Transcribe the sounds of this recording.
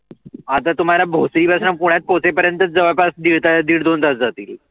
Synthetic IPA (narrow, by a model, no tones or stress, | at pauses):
at̪at̪um̤alabʱosɾiːbʱasnapuɽ̃jat̪̚pot͡sepəɾjənt̪ət͡sd͡zəʋəpasd̪iɭt̪ad̪iːɽd̪ond̪at̪d͡zat̪ḭːl